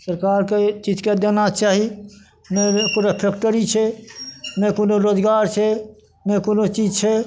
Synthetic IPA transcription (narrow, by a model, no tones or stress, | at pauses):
səɾkaːɾket͡ʃiːd͡ʒked̪enat͡ʃaːɦi | mẽkuɾepʰeːkʈəɾit͡ʃʰe | mẽkonoɾoːd͡ʒɡaːɾt͡ʃʰe | mẽkonot͡ʃiːd͡ʒt͡ʃʰe